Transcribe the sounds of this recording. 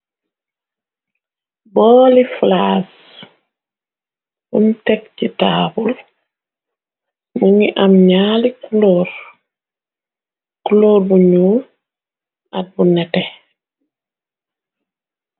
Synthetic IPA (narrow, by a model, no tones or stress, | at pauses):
bɔːliflas | buntɛk̚citaːbul | muŋiʔamɲaːlikuloːɾ | kuloːɾbuɲuː | at̚bunɛtɛ